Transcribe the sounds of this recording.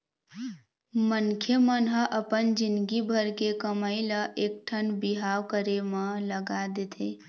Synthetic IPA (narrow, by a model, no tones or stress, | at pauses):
mənkʰjemənɦəʔəpənd͡ʒinɡibʱəɾkekəməɪləʔek̚ʈʰənbiɦawkəɾemələɡad̪et̪ʰe